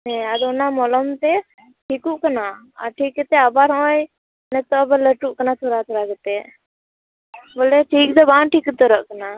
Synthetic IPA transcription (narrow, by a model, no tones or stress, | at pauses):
nẽad̪onamɔlɔmt̪e | ʈʰikuʔkəna | a̰ʈʰiːkːət̪eabaɾɦõːj | nət̪oəbələʈuʔkənat̪ʰoːɾat̪ʰoɾaɡət̪e | boleʈʰiːk̚d̪əbãːnʈiːkət̪əɾəʔkəna